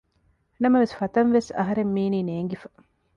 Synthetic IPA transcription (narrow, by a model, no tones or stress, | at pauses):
nɐmɐʋesfɐt̪ɐnʋesɐ̰ɦɐɾemːiːniːneːŋɡifɐ̥